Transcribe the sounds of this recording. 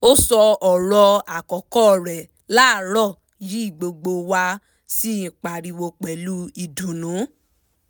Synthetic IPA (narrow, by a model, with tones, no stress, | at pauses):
o˦sɔ˧ɔ˨ɾɔ˧a˨kɔ˨kɔ˦˨ɾɛ˨ | la˦˨ɾɔ˦˨ | ji˨˦i˦˨ɡ͡bo˧ɡ͡bo˧wa˧ | si˦˨k͡pa˨ɾi˨˧wo˧k͡pɛ˨˦lu˦i˧dũ˨nũ˨˦